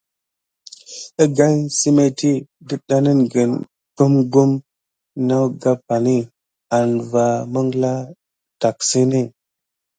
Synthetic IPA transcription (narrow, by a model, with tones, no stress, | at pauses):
ə˦ɡa˦jsi˦me˦ti˦də˨ɗa˦nə˦nɡə˨n | ɡ̥u˦mɡu˦m | na˦wɡa˦pa˨ni˦ | a˨nva˨mə˦ŋ˦la˦ | ta˨ksi˦ni˦